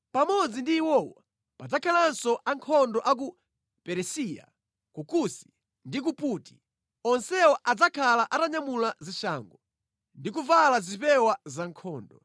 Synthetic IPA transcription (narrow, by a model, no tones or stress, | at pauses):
pamɔd͡zindiːwɔwɔ | pad͡zakʰalansɔʔaŋkʰɔndɔʔak̬u | pɛɾɛsija̰ | kukusi̥ | ndik̬upuːti̥ | ɔnsɛwɔʔad͡zakʰalaʔataɲamulaziʃaːŋɡɔ | ndik̬uvalazipɛwazaŋkʰɔːndɔ